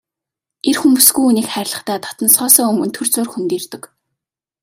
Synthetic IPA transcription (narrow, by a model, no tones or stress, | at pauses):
erxumpusɡujuːniːkχæːɾʲɪ̆ɮə̆χt̪æːt̪ʰɔ̥t̪n̆sχɔːsɔːɵmɡɵ̆nt̪ʰɵrt͡sʊːrxunt̪iːrt̪ɵ̆k